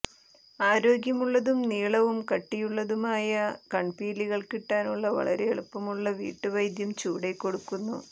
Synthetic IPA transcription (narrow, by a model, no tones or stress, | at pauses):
aːɾo̞ːɡjɐmuɭːɐðumniːɭɐʋumkɐʈːijuɭːɐðumaːjɐkɐɳpiːliɣɐɭkiʈːaːnuɭːɐʋɐ̰ɭɐ̰ɾeeɭupːɐmuɭːɐʋḭːʈːɨʋɐjd̪jɐmt͡ɕuːɽekːo̞ɽukːunːṵ